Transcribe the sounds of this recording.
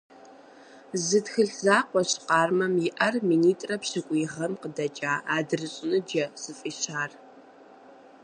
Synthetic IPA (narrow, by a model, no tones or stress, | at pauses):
zɨtxɨɬzaːqʷɔɕqɑːrmɐmjɪʔɐrminiːtʼrɐpɕɪkʷʼiːʁɐmqədɐt͡ʃʼaːaːdɨrɨɕʼɪnɨd͡ʒɐsɨfʼiːɕaːr